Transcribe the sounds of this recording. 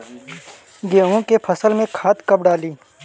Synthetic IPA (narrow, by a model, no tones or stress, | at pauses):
ɡeːõkepʰɐsəlmẽkʰaːt̪kɐb̚ɖaːliː